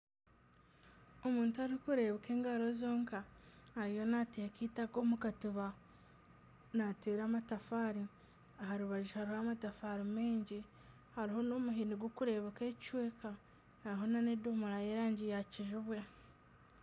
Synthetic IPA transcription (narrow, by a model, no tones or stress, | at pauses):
o̞muːntuaɾikuɾe̞βeke̞ːŋɡaɾo̞zo̞ːŋkahːɾijo̞natekiːtakoːmukatuβa | nateːɾaːmatafaɾi | aɦaɾuβaʒihaɾihaːmatafaɾimeːɲɟi | haɾiɦo̞no̞muɦiniɡwokuɾe̞βeke̞ːct͡ʃweːka | aɾiɦo̞nanedomuɾajeɾaːɲɟijaciʒuβwa